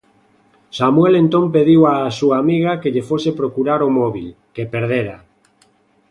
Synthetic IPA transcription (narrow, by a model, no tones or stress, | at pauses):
samwelent̪ompeðiwasuaːmiɣakeʎefosepɾokuɾaɾomɔβilkepeɾðeɾa